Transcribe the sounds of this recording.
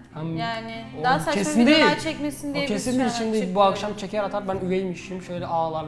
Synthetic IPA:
hamjaːnɪ | oakʰesiind̪ejit͡ʃʰɛkmesind̪cʰesind̪iɾit͡ʃʰind̪eilʲbuakʃamt͡ʃʰe̞cʰɛɾat̪ʰaɾbænyvejmiʃimʃø̞jlʲɛʔaːlˠaɾ

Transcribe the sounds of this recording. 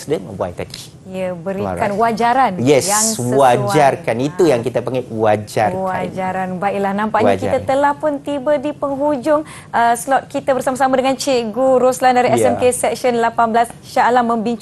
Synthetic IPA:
sdənwa̰jt̪aɡi | iəbəɾikanwad͡ʒaɾanjɛsjaŋsəwad͡ʒarkanit̪ujaŋkit̪apaŋawad͡ʒa̰rwad͡ʒaɾanbaiʔlahnãmpaʔɲakit̪at̪əlahpʊnt̪ibədipəŋɦud͡ʒʊŋ | əslɔt̪̚kit̪abərsamasamadəŋãnt͡ʃeʔɡuɾoslandaɾiɛsɛmkesɛkʃənlapanblasʃalamə̃mbiɲt͡ʃ

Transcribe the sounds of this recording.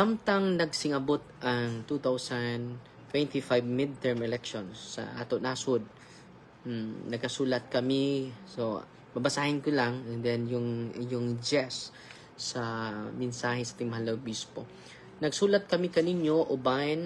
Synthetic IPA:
samt̪ɐŋnɐɡsɪŋɐbot̪̚ʔɐŋt̪ut̪awsɐnd̪ | t̪wɛnt̪ɪfajvmɪd̪̚t̪ɛɹmɛlɛkʃonsːɐ̰ʔa̰ːt̪onasʊd̪̚ | m̩nɐɡ̚kɐsuːlɐt̪̚kɐmɪso | mɐbɐsaːhɪnkʊlaŋɛnd̪ɛnjʊŋjʊŋd͡ʒɛsː | ɐmɛnsaːɦɛsaʔaːt̪ɪŋmɐhalːɐʊbispo | nɐɡsuːlɐt̪̚kɐmikɐninjoʔoban

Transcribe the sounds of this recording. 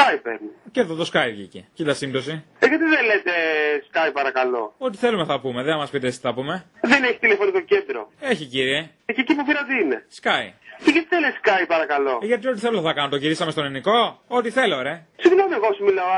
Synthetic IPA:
skajpḛɾniceðoðo̞skɐiʝḭcḛcid̪ɐsind̪o̞si | eʝɐt̪iðenlet̪eskajpɐɾɐkɐlo̞̰o̞t̪iθe̞lume̞θɐpume̞ðenɐmɐspit̪est̪iθɐpume̞ | ðeneçi̥t̪ilefo̞nikocend̪ɾo̰eçiciɾie̞ | ececipupiɾɐot̪iine̞̰skɐjceʝɐt̪iðeleskajpɐɾɐkɐlo̞ʝɐt̪iio̞t̪iθeluθɐkɐnot̪oʝiɾisɐme̞st̪o̞niniko̞ot̪iθe̞leoɾe̞ | siɣlomeeɣosmilɐo

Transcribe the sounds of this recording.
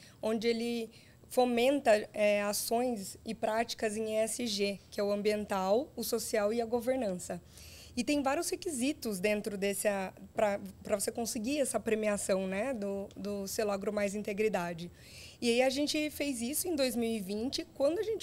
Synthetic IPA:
õnd͡ʒɪelɪ | fomẽnt̪ɐɛasõj̃sɪpɾat͡ʃi̥kɐzẽj̃ɛsɪʒekɪɛʊɐ̃mbiẽnt̪awʊsosiawɪɐɡoveɾnɐ̃sɐ | ɪt̪ẽj̃vaɾjʊshekizit̪ʊzd̪ẽnt̪ɾʊd̪esɐpɾɐpɾɐvosekõsɪɡiɛsɐpɾemiasɐ̃w̃nɛd̪ʊd̪ʊsewlaɡɾʊmajzĩnt̪eɡɾid̪ad͡ʒɪ | ɪaiɐʒẽnt͡ʃɪfejzisʊẽj̃d̪ojzmiwivĩnt͡ʃɪkwɐ̃nd̪ʊaʒẽnt͡ʃɪ

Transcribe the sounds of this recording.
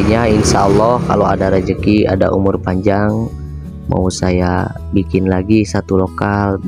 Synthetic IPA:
iɲainsaɔlːɔhka̰loa̰daɾəd͡ʒəkia̰da̰ʔumʊrpaɲd͡ʒaŋ | ma̰usaja | bikɪnlaɡisat̪ulokal

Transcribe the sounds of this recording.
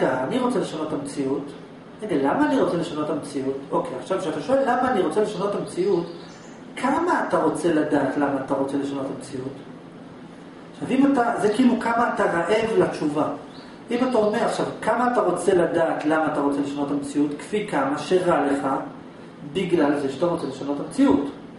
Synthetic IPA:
aaniʁo̞t͡se̞le̞ʃano̞tamt͡siut | eɡelamaːniʁo̞t͡se̞le̞ʃanotamet͡siuto̞kejaχʃavʃeat̪aʃoellamaːniʁo̞t͡se̞le̞ʃanotamet͡siut | kʰamaːtaʁo̞t͡se̞ladaːtlamaːtaʁo̞t͡se̞le̞ʃanotamt͡siut | aʃavimatazekiilukamaːtaʁaʔe̞vlat͡ʃuva | imatao̞me̞ʁaχʃavkamaːtaʁo̞t͡se̞ladaːtlamaːtaʁo̞t͡seleʃano̞tamet͡siutkfikamaʃe̞ʁale̞χa | biɡlalzeʃeataʁo̞t͡se̞le̞ʃano̞tamt͡siut

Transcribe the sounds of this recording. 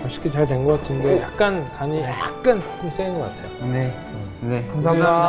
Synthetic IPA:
ʌɭɕ͈i̥kʰit͡ɕaɭteŋɡok͈atʰindeja̰k̚k͈ankaɲia̰k̚k͈ɯnḁk͈ʰɯms͈einɡʌk͈atʰe̞jone | nekusʰa

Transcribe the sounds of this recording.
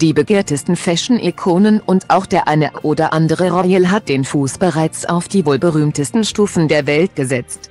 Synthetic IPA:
d̥iːbəɡeːɐtəstn̩fɛʃn̩ʔɪkʰoːnənʊntʔaʊxd̥eːɐʔaɪnəʔʔoːdɐʔandəʁəʁɔjəlɦat̚d̥eːnfuːsb̥əʁaɪt͡sa̰ʊfd̥iːvoːlbəʁyːmtəstn̩ʃtuːfn̩deːɐvɛltɡ̥əzɛt͡st

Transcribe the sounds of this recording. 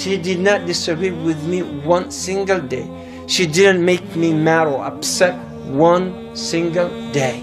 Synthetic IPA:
ʃidɨd̚ⁿnət̚d̥ɪsɨɡiwɪðmiwʌ̃nsɪ̃ŋɡəlˠdeɪ | ʃidɪd̃n̩tmeɪk̚mimæɹoə̰psɛt̚ | wʌ̃n | sɪ̃ŋɡəlˠdeɪ

